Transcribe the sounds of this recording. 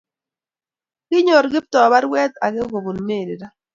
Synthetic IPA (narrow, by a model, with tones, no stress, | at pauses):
ɡ̥ɪ˦ɲo˨ɾɡɪ˦p̚tɔ˨ba˦ɾwɛ˦t̪a˨ɡɪ˦ɡo˨bu˨nme˦˨ɾɪ˨ɾa˦